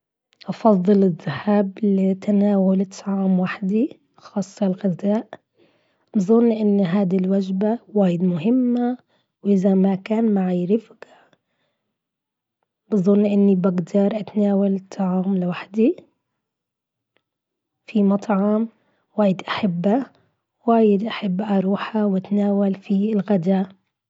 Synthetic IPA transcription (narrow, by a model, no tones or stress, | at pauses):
ʔɑfɑðˤːɨlɪðːɪhaːblɪt̪anaːwalɨt̪ˤʰːɑʕɑːmwaħd̪i | xɑːsˤːɑlɣɪzaːʔ | bɨzˤʊnːʔɪnːɦaːd̪ilwad͡ʒbawaːjɪd̪mʊɦɪmːa | wʔɪzamakaːnmaʕajɾɪfɡa | b̥ɨzˤʊnːʔɪnːibaɡd̪ɑɾˤʔat̪naːwalt̪ˤʰːɑʕɑːmlɪwaħd̪i | fimɑt̪ˤʕɑm | waːjɪd̪ʔaħabːa | waːjɪd̪ʔaħabːʔɑɾˤuːħawʔat̪naːwalfiɪlɣad̪aːʔ